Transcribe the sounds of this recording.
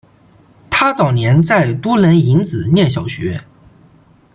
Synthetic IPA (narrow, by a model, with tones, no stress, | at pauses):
t̪ʰa˥t͡sɑ˨˩ʊnjɛ˧˥nt͡sa˥˩ɪt̪wɔ˥lə˧˥ni˧˥nt͡sɹ̩˨˩njɛ˥˩ɕ̬jɑ˨˩ʊɕɥɛ̰˧˥